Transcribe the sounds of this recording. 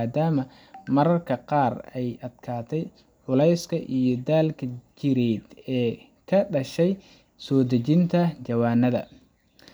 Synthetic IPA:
d̪aːmɐ | mɐɾɐrkʰɐqɑːrɛjɐd̪̥kʰaːt̪ʰɛj | ʕʊlɛjskʰɐʔijɞd̪aːlkʰɐt͡ʃɪɾɛːd̪ɛː | kʰɐɖɐʃɛj | sɔːd̪ɐt͡ʃɪnt̪ʰɐt͡ʃɐwaːnːɐðɐ̰

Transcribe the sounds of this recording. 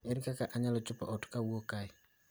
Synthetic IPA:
eɾikakaʔaɲalɔt͡ʃʊpa̰ʔɔtkawokaɪ

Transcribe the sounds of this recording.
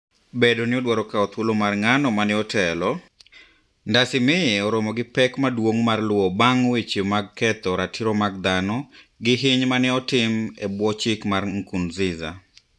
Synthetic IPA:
bedonɪɔdwaɾɔkaɔt̪wolomarŋanɔmanɪɔtʰɛlɔ | ndasɪmɪɔɾɔmɔɡɪpɛkmadwoŋmarlʊwɔbaŋwɪt͡ʃɪmaɡ̚kɛt̪ɔɾatʰiɾɔmaɡ̚d̪anɔ | ɡɪɦɪɲmanɪɔtɪmebwɔt͡ʃɪkmarŋ̩kunzɪza̰

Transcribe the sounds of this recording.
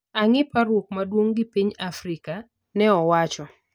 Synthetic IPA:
aŋɪpaɾwok̚madwoŋɡɪpiɲafɾika | nɛɔwat͡ʃɔ

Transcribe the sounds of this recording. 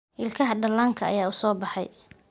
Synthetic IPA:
ʔɪlkʰɐɦɐɖɐlaːŋkʰɐɐ̰jaːʊsɔːbɑħɑ̰j

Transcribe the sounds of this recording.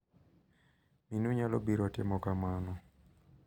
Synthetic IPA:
minuɲalɔbiɾɔtɛmɔkamanɔ

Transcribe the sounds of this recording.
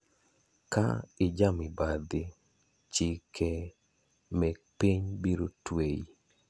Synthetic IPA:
ka̰ɪd͡ʒamɪbad̪ɪ | t͡ʃɪkʰɛ | mɛpiɲbiɾotwei

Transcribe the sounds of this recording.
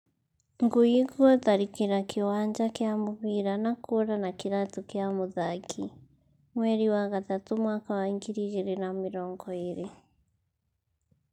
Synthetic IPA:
ŋɡuiɣɔðaɾikiɾakʰewaːɲd͡ʒakjamoβiɾanakoɾanakiɾatokjamoðakʰi | mwɛɾiwaɣatatomwaːkawaiŋɡiɾiɣeɾenamiɾɔːŋɡɔeɾe

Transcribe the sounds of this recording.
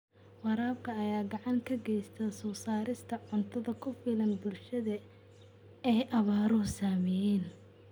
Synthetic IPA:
wɑɾaːbkʰɐːjaːɡɑʕɑŋkʰɐɡɛjst̪ʰɐsɔːsaːɾɪst̪ʰɐʕʊnt̪ʰɐðɐkʰʊfiːlɐnbʊlʃɐðɐ | ɛjʔɐβaːɾɔsaːmɛjɛːn

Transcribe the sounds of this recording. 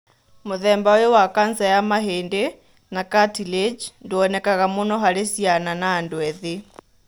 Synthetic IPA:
moðɛːmbawewakansajamaɦeːnde | nakatiled͡ʒndoɔnɛkaɣamonɔɦaɾesiananaːndoɛðe

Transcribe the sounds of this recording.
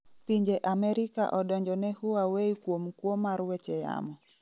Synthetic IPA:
piɲd͡ʒɛʔamɛɾika̰ʔɔɗɔɲd͡ʒɔnɛhuawɛikuɔmukuɔmaɾuwɛt͡ʃɛja̰mɔ

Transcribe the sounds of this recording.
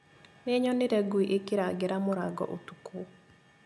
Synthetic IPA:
neɲɔneɾɛɡwiʔekiɾaɡeɾamoɾaɡɔ̰ʔotuku

